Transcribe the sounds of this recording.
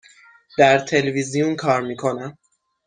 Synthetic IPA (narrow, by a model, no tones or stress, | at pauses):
d̪̥æɾt̪ʰe̞levizijunkʰɒːɾmiːkʰo̞næm